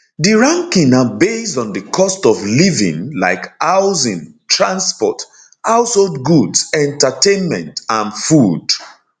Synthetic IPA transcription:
diɹãŋkĩŋabezdɔ̃ndəkʰɔstɔvlivḭ̃ŋla̰ɪkaʊzĩntʰɹãnspɔt | haʊsholdɡudsɛ̃ntatẽnmɛ̰̃ntãnfud̥

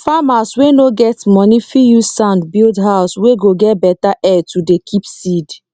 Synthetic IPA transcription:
famaswenoɡɛtmɔnifijusãʊ̃ndbildɦaʊsweɡoɡɛtbɛtaʔɛtudekʰipsid

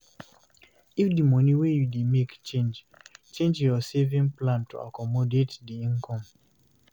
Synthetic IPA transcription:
ifdimɔniwejudemekt͡ʃẽnd͡ʒ | t͡ʃẽnd͡ʒjɔsevĩŋplãntʰṵa̰kɔmɔdetdiĩnkʰɔ̃m

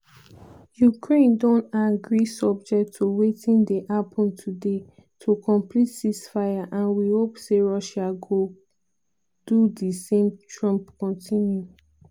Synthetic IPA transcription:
jukʰɹẽndɔ̃ntaɡɹisɔb̚d͡ʒɛk̚tʰːowetʰĩndeʔapʰɔ̃ntʰude | tʰokʰɔ̃mplitd̥isfajaʔãnwihopseɹɔʃaɡo | d̥udisẽmtʰɹɔ̃mpkɔ̃ntʰĩnju

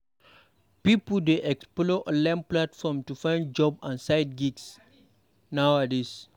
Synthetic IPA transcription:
pipəldeʔɛksploʔəlɛ̃mplatfɔmtufãj̃nd̚d͡ʒɔbãnsaɪd̚ɡiɡs | nawadis

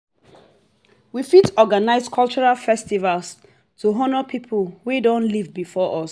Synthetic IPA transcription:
wifitɔɡanaɪskʰɔlˠt͡ʃɔɹalfɛstivals | tʰuɦɔnəpʰipʰəlwidõnlivbifɔʔɔs

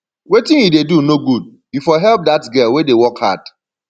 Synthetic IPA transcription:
wetɪ̃ŋjidedunoɡud̚b̥ifɔɦɛlp̚datɡɛlwedewɔkha̰d̥

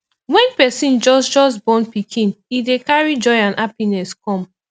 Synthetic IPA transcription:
wɛ̃npɛsĩnd͡ʒɔsd͡ʒɔsbɔ̃npikʰĩnidekaɹid͡ʒɔɪãnʔapinɛskɔ̃m

